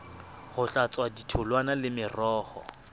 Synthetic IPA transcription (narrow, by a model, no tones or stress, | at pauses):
hʊɬat͡sʼwaditʰʊlwanalɪmɪrɔːhɔ̰